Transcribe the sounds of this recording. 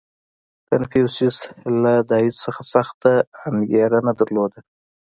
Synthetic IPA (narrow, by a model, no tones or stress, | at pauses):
kanfisɪslad̪ɑisəxasaxt̪aːnɡeɾanad̪aɾlod̪a